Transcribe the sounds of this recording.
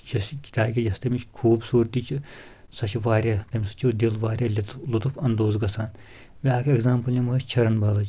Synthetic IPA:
jɐskʲi̥t̪aːkʲijɐst̪ɐmʲit͡ʃʰʲkʰuːbsuːɾt̪it͡ʃʰi | sɐt͡ʃʰiʋaːɾʲjaːt̪ɐmʲsɐ̥t͡ʃʰid̪ilʋaːɾʲjaːlʲɐt̪lut̪upʰɐnd̪oːzɡɐsaːn | ʋʲaːkʰeɡzaːmpɐlnʲimɐɦɐst͡ʃʰɐɾɐnbɐlɐd͡ʒ

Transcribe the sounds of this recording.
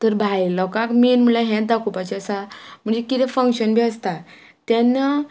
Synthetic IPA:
t̪əɾbʱajlɔkakminm̤əlaɦɛ̃t̪̚d̪akʰupajt͡ɕiəsam̤əɳd͡zekit̪ɛfə̃ŋkɕənbʱiəst̪a | t̪janə

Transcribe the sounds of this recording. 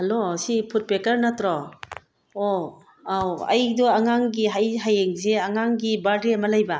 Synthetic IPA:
hɐlosipʰut̚pekɐɾnatɾɔ | o | ɐ̰jdɔaŋaŋɡiɦajɦajeŋzeaŋaŋɡibaɾdeɐmɐlajba

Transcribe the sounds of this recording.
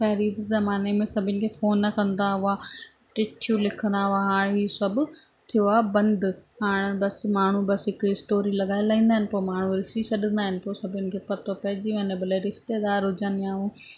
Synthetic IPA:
pɐɦɪɾiɾzɐmaːnemẽsɐbʱɪnɪ̆kʰefoːnːɐkɐ̃nd̪aʊaː | ʈɪʈʰijũlɪkʰə̃nd̪aɦʊaɦaːɽ̃ɦisɐbʊ̆ | t̪ʰijoaːbɐ̃nd̪ɦaːɽ̃bɐsmaːɳ̤ũbɐsɦɪkɪsʈoːɾilɐɠaːelaːɦĩːn̆d̪aːɦɪnɪ̆poːmaːɳ̤ũɾɪsisʰɐɗənd̪aːɦɪnɪ̆poːsɐbʱʊnɪ̆kʰepɐt̪ʰopɐɦɪd͡ʑiʋɐnẽbɐleɾɪʃt̪ed̪aːɾɦʊd͡ʑənɪjaːũː

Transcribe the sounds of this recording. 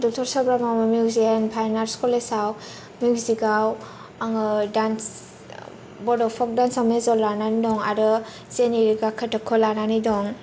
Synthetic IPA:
dɔltʰɔɾsabɾamamamiuzenpʰajnaɾskɔlesaw | miuziɡaw | aŋɯdans | bɔdɔpʰɔk̚dansawmezɔlananidɔŋa̰ɾɯ | zeniɾiɡakʰatɔkʰːɔlananidɔŋ

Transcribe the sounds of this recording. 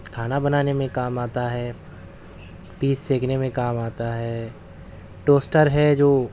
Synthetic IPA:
kʰaːnabɐnaːnemẽkaːmaːt̪aɦɛː | piːsseːkʰnemẽkaːmaːt̪aɦɛː | ʈoːsʈəɾɦɛd͡ʒoː

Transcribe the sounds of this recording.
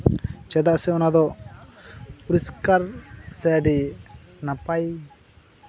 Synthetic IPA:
t͡ʃɛd̪aʔsɛɔnad̪ɔ | puɾiskaɾsɛɖi | napaj

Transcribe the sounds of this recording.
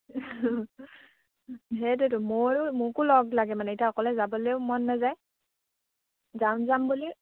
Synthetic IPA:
ɦɛdedʊmʊɹumʊkʊlɔɡlaɡɛmanɛitaɔkɔlɛzabɔlɛʊmɔnːazaj | zaʊnzambuli

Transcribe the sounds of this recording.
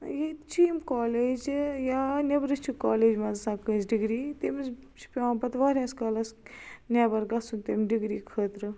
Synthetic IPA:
jet͡ʃʰiːmkaːleːd͡ʒjanebɾɨt͡ʃʰikaːleːd͡ʒmɐzsãːkəːsɖiɡɾiːt̪imz | t͡ʃʰi̥pʲiãːpɐt̪ʋaːɾʲjaːskaːlɐsnʲaːbɐɾɡɐsunt̪emɖiɡɾiːkʰəːt̪ɾɨ

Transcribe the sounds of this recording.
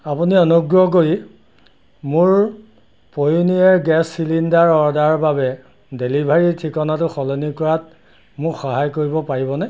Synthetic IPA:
apuniɔnuɡɹɔk̬oɹi | mʊɹ | pojuniɛɹɡɛsːilindaɹɔɹdaɹbabɛ | delibʱaɹitʰikɔnatʊxɔlɔnikɔɹat | mʊkxɔɦajkoɹibɔpaɹibɔnɛ

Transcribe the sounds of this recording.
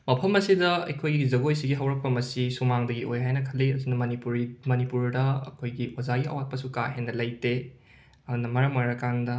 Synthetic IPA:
mɐpʰɐmɐsidɐɐ̰jkʰojɡizɐɡojsiɡiɦɐwɾɐk̚pɐmɐsisumaŋdɐɡiojɦajnɐkʰɐlːiɐzunɐmɐnipuɾimɐnipuɾdɐɐ̰kʰojɡiwɐzaɡiɐ̰wat̚pɐsukaɦendɐlɐjte | ɐdunɐmɐɾɐmojɾɐkandɐ

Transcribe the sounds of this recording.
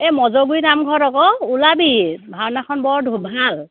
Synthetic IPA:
ɛmɔzɔɡujnamɡʱɔɹɔkɔulabibʱawnakʰɔnbɔɹdʱubʱal

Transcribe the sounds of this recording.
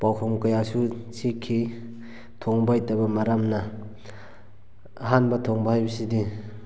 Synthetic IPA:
pawkʰɔmkɐjasut͡ʃikʰːi | tʰoŋbajtabɐmaɾamna | ɦanbɐtʰoŋbahajbɐsidi

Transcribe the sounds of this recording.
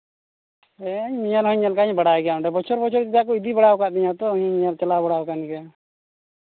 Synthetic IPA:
ɛɲmiɲalɦɔɲalkaɲbaɽaɡãɳɖɛbɔt͡ʃʰɔɾbɔt͡ʃʰɔɾt̪id̪aʔkɔid̪ibaɽawkat̪̚niɲat̪ɔɦɔɲɔɲmiɲalt͡ʃalabɔɽawkanikɛ

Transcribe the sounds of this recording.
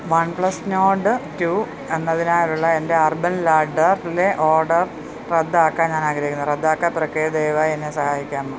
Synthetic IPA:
ʋɐnpɭɐsnoːɖɨtu | enːɐðinaːjiʈuɭːɐende̞ɐrbɐnlaːɖɐrleʔoːrɖɐr | red̪ːaːkːaːmɲaːnaːɡɾɐɦikːunːurɐd̪ːaːkːaːnprɐkɾijɐd̪ejʋɐenːesɐhaːjikʲːaːmɐ

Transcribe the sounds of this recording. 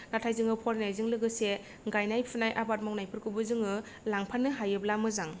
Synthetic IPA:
natʰajzɯŋɯpʰɔɾnajzɯŋlɯɡɯse | ɡajnajpʰɯnajʔabat̚mɔŋnajpʰɯɾkʰɯbɯzɯŋɯ | laŋpʰanːɯɦajɯblamɯzaŋ

